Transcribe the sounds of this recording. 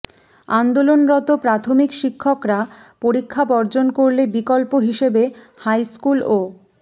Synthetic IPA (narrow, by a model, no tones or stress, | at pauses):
and̪olonɾɔt̪opɾat̪ʰomikʃikʰːɔkɾa | poɾikʰːabɔɾd͡ʑonkoɾlebikɔlpoɦiʃebe | hajskulo